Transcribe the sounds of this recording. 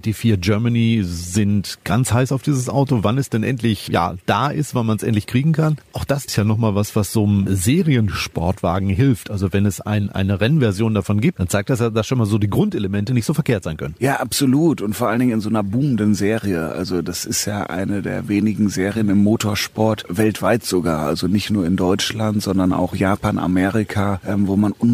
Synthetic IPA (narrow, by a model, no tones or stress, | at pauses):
d̥iːfiːɐɡœɐmaniːzɪntɡ̥ant͡shaɪsaʊfd̥iːzəsʔaʊtovanɛsd̥ɛnʔɛ̰ntlɪçja̰ːd̥a̰ːʔɪstv̥anmansʔɛ̰ntlɪçkʁ̥iːɡŋ̩kʰanʔʔaʊxd̥asɪ̥stjaːnɔχmaːlvasv̥asz̥oːmzeːʁiənʃpɔɐtv̥a̰ːɡŋ̩ɦɪlftʔalzovɛnɛsʔa̰ɪnʔa̰ɪnəʁɛnnvɛɐzjoːndafɔnɡiːp̚td̥ant͡saɪk̚td̥asjaːdasʃoːnmaːlzoːdiːɡʁʊntʔeləmɛntənɪçtz̥oːfɛɐkeːɐtz̥aɪnkʰœ̰nənjaːʔapz̥oluːtʊntfoːɐʔaləndɪŋɪnzoːnɐbuːmən̩dənzeːʁiəʔa̰lzodasɪstjaːʔa̰ɪnədḛːɐveːnɪɡŋ̩zeːʁijənɪmːoːtʰoːɐʃpɔɐtvɛltv̥aɪtz̥oɡa̰ːɐʔa̰lzonɪçtnuːɐɪndɔʏt͡ʃlantz̥ɔndɐna̰ʊxjaːpaːna̰mɛːʁɪkʰaʔɛmvoːmanʔʊn